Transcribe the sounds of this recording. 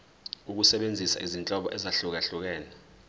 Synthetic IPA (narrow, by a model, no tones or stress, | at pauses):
uk̬usɛɓend͡zʱisa̰ʔizint͡ɬʼɔɓɔʔɛzaɬuk̬aɬuk̬ɛːna